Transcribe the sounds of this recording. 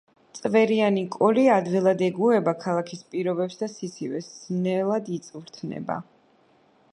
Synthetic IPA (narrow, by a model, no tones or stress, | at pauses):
t̪sʼvɛɾianikʼɔliad̪vilˠad̪ɛɡuɛbakʰalˠakʰispʼiɾɔbɛpsd̪asitsʰivɛsnɛlˠad̪it̪sʼvɾt̪ʰnɛ̰ba̰